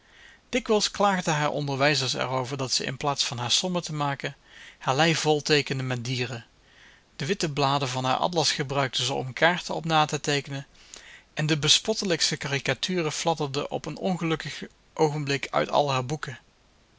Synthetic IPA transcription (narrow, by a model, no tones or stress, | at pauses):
d̥ɪkʋɛlˠsklaːɣdəɦaːɹʔɔ̰ndəɹʋɛjzəɹsɛ̰rowvəɹdɑtsəʔɪ̰nplaːtsfɑnɦaːɹsɔmətəmaːkəhaːɹlɛjv̥ɔlˠtejkəndəmɛdiːrə | d̥əʋɪtəblaːdəvɑnɦa̰ːɹʔɑ̰tlɑsχəbrœɥk̚təzəɔ̰mkʰaːɹtəɔpnaːtətejkənəʔɛndəbəspɔtələkstəkaːrikatʰyːrəflɑdəɹdəʔɔ̰pənɔ̰nχəlɵkəχ | ʔowχəmblɪkʰœ̰ɥtɑ̰lˠɦaːɹbukə